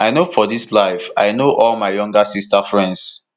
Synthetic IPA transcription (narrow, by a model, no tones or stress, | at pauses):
aɪnofɔdislaɪfaɪnoʔɔlmaɪjɔ̃ŋɡasistafɹɛ̃nds